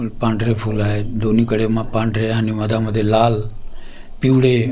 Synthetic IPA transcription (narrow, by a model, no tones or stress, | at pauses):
pãːɳɖɾeːpʰuːlaːɦed̪oːnĩːkəɽeːmãːpãːɳɖɾeɦãːniməd̪ʱãːməd̪ʱelaːl | piuːɽeː